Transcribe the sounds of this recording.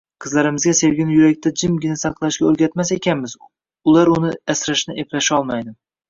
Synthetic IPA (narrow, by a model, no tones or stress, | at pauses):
qʰɨzlaɾɪmɪzɡʲase̞vɡʲɪnɪjʊɾak̚ʲt̪ʰad͡ʒɪmɡʲɪnasɑqlˠaʃɡʲaɵɾɡʲat̪mase̞kʲʰanmɪz | ʊlaɾʊnɪasɾaʃnɪʔe̞plaʃɒlˠmajd̪ɪ